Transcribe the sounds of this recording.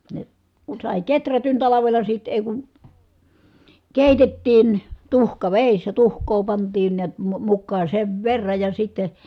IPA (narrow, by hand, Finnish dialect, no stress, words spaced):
ne kun̞ sɑˑi ketrætyn tɑlɑʋelɑ sit eˑi̯ ku keˑitetːiːn tuhkɑʋeˑisːæ tuhkˑoː pɑntˑiːn niæt mu mukːɑː seʋ ʋerːɑj jɑ sitːe